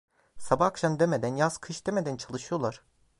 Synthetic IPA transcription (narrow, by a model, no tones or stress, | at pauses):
sabaːkʃamd̪emed̪ænjaskʰɯʃd̪emed̪ænt͡ʃʰalˠɯʃɯjo̞lˠaɾ̥